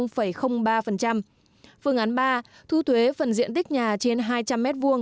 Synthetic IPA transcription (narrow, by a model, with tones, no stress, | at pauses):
wŋ͡mfə˧˩jxə˧wŋ͡mɓaː˧fə˨˩nt͡ɕa˧m | fɨ˧əŋʔa˨˦nɓaː˧ | t̪ʰu˧˦t̪ʰwe˨˦fə˨˩nzḭ˧˨ənt̪ï˦˥k̟̚ɲaː˨˩t͡ɕe˧nɦaː˧jt͡ɕa˧mːɛ˦˥t̚vu˧əŋ